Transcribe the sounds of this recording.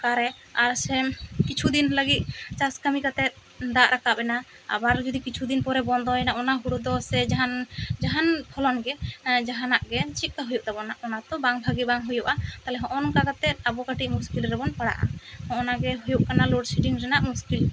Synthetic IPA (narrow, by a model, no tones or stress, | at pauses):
kaɾɛ | aɾsɛkit͡ʃʰud̪inləɡit̪̚ˀt͡ʃaskamikat̪ɛt̪̚ | d̪aʔɾakabɛna | a̰baɾd͡ʒɔd̪ikit͡ʃʰud̪inpɔɾɛbɔnd̪ɔnaʔɔnaɦuɽud̪ɔsɛd͡ʒaɦand͡ʒaɦanpʰɔlɔnɡɛd͡ʒaɦanaʔɡɛt͡ʃit̪̚ˀkaɦujuʔ̚d̪ɛbɔnaʔɔnat̪ɔbaŋbʱaɡibaŋɦujuʔat̪alɛɦɔ̃ʔɔnɔŋkakat̪ɛt̪̚abɔkaʈiʔmuskilɾɛbɔnpaɽa̰ʔa̰hɔ̃ʔɔnaɡɛɦujuʔ̚kanaloɖsiʈiŋɾɛnaʔmuskil